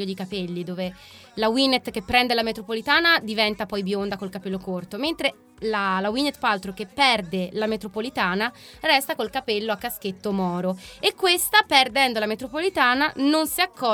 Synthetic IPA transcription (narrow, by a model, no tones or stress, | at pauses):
od̪ikapelːid̪oːve | lawinet̪k̟epːɾɛnd̪elamet̪ɾopolit̪aːnad̪ivɛnt̪apɔjbjond̪akolkapelːokort̪oment̪ɾe | lalawinet̪ːfalt̪ɾokepːɛrd̪elamet̪ɾopolit̪aːna | rɛst̪akolkapelːoakːask̟et̪ːomɔːɾoekːwest̪aperd̪ɛnd̪olamet̪ɾopolit̪aːnanonsiakʰːɔ